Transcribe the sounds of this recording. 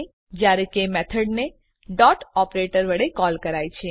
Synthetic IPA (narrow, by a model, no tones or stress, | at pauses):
d͡ʒjaɾekemɛt̪ʰəɖne | ɖɔʈɔpɾeʈəɾʋəɽekɔːlkəɾait͡ʃʰe